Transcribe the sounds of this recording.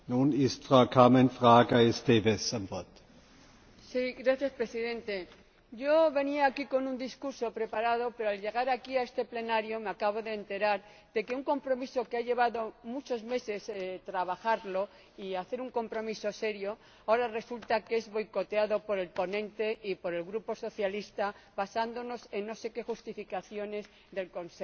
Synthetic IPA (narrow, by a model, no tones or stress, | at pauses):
nuːnɪstfʁakʰamɛnfʁaːɡaestevesamvɔɐt | siɣɾaθjaspɾe̞siðẽ̞nt̪e̞ | ʝo̞βe̞niaːkiko̞nũnd̪iskuɾso̞pɾe̞paɾað̞o̞pe̞ɾoalʎe̞ɣ̞aɾakiae̞st̪e̞ple̞naɾjomeakaβ̞o̞ðeːnt̪e̞ɾaɾ | ðe̞ke̞uŋko̞mpɾo̞miso̞keaʎe̞β̞aðo̞mut͡ʃo̞zme̞se̞st̪ɾaβaxaɾlo̞ | iaθe̞ɾuŋko̞mpɾo̞miso̞se̞ɾjo̞ | aoɾare̞sult̪akee̞zβo̞jko̞t̪eaðo̞po̞ɾe̞lpo̞nẽ̞nt̪e̞ʔipo̞ɾe̞lɣɾupo̞so̞θjalist̪aβasand̪o̞no̞se̞nːo̞se̞ke̞xust̪ifikaθjo̞ne̞z | ðe̞lko̞nse